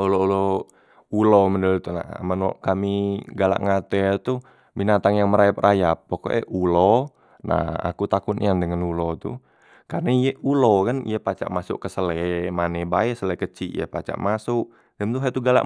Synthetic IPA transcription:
uloulo | uloməndəlt̪una̰a̰manɔ̰ʔkamiɡala̰ʔŋat̪ɛt̪u | binat̪aŋjaŋməɾajap̚rʔajap̚ːoko̰ʔɛ̰ʔulɔ | nʔa̰ha̰kut̪akunḭandəŋanulot̪ṵ | karnaijeulokanḭjapat͡ʃa̰ʔmasʊ̰ʔkəsəlɛmanɛbaɛsəlɛkət͡ʃiʔija̰pa̰t͡ʃa̰ʔmasʊk | dɛmt̪uɦat̪uɡala̰ʔ

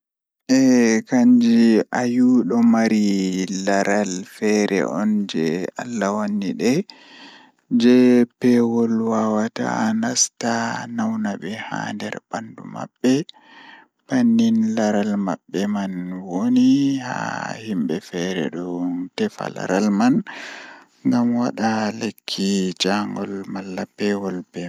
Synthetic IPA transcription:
ʔɛkaɲd͡ʒiʔajuɗɔmaɾilaɾalfɛɾɛ̰ʔɔnd͡ʒɛ̰alːawanːiɗɛ | d͡ʒɛpɛwɔlwawata̰nastanawnaɓɛha̰ndɛ̰ɾbandṵma̰bːɛ | b̥anːinlaɾalmaɓːɛmanwoniha̰himbɛfɛɾɛ̰ɗɔntɛfa̰la̰ɾalman | ŋɡamwaɗalekʰːid͡ʒaŋɡɔlmalːapɛwɔlpɛ

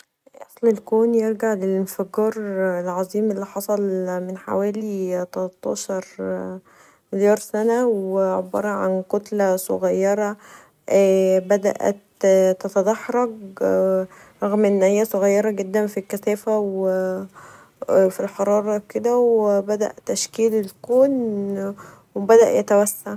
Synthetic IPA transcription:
ʔɑsˤlelkoːnjeɾɡaʕlelenfæɡɑːɾˤelʕɑzˤiːmʔelːiħɑsˤɑlmenħa̰wæːlit̪ɑlɑt̪ˤːɑːʃɑɾˤ | meljɑːɾˤsænæweʕobːɑ̰ɾˤɑʕa̰nqot̪læsoɣæjːɑɾˤɑː | bæd̪æ̰ʔæ̰t̪t̪æt̪æd̪ɑħɾˤɑɡ | ɾˤɑɣmʔenːhejːæsoɣæjːɑɾˤɑɡed̪ːænfilkːæsæːfæwe | filħɑɾˤɑːɾˤɑked̪æwebæd̪æ̰ʔt̪ːæʃkiːlelkoːn | webæd̪æʔjæt̪æwæsːaʕ

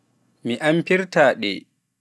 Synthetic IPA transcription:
miʔampiɾtaːɗɛ̰ː

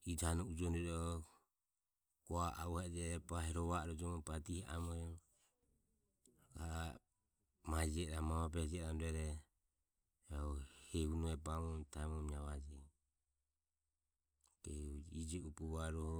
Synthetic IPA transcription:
idanɔud͡ʒɔnɛɾɔ | ɡ̥ɔaʔa̰uhɛd͡ʒɛɾɛpahɛɾɔβaɾɔd͡ʒɔmɔpatihɛa̰mɔɾɛ | ɡa | mad͡ʒɛɾamaβapɛd͡ʒɛɾamdɛɾɛ | ɔhɛhunɔɛpamɔmt̪amɔmiaβad͡ʒɛ | kɛud͡ʒid͡ʒɛupuβaɾɔhɔ

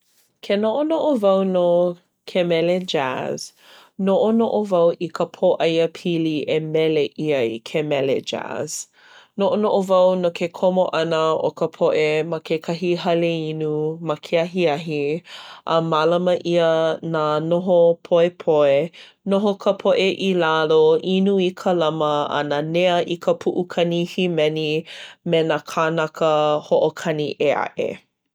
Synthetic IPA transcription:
kʰenoʔonoʔovɐwno | kʰemɛled͡ʒa̰z̥ | noʔonoʔovɐwʔikʰəpʰoʔɐjəpʰiliʔemɛleʔiəikʰemɛlḛd͡ʒa̰z̥ | noʔonoʔovɐwnokʰekʰomoʔɐnəo̰kʰəpʰoʔemɐkʰekʰaɦiɦɐleinumakʰeɐɦiɐɦiʔəmalɐməʔiənanoɦopʰoepʰoe | noɦokʰəpʰoʔeʔilaloʔinuikʰəlɐməɐ̰naneəʔikʰəpʰuʔukʰɐnihimɛnimenakʰanɐkəhoʔokʰɐniʔea̰ʔḛ

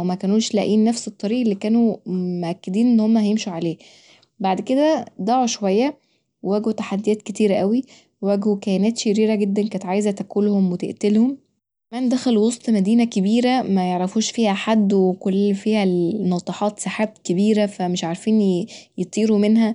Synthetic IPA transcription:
wmækæːnuːʃlæʔiːnːæfset̪ˤːɑɾiːʔelːiːkæːnumeʔækːed̪iːnʔenːhomːæhæjemʃuʕaleː | baʕd̪ked̪æd̪ˤɑʕoʃowæjːæ | wewæːɡot̪aħad̪ːijæːt̪̚ket̪iːɾæʔæwi | wæɡhukæjænæːt̪ʃeɾiːɾæɡed̪ːænkænet̪ʕaːjezæt̪ækolhomwet̪ḛʔt̪elhom | kæmæːmd̪æxæluwosˤt̪ˤmæd̪iːnækebiːɾæmæjeʕɾæfuːʃfiːhæħad̪ːwekolːfiːhænɑt̪ˤɑħɑːt̪ˤsaħaːb̪kebiːɾæfæmeʃʕaɾˤfiːnjet̪ˤiːɾumenhæ

